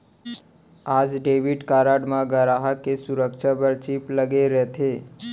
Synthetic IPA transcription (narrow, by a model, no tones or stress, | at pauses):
aːd͡ʒɖeːʋɪɖkaːɾaːɖmãɡəɾaːɦakesʊɾəkʃabɐɾt͡ʃiːplɐɡeɾɛɦt̪ʰeː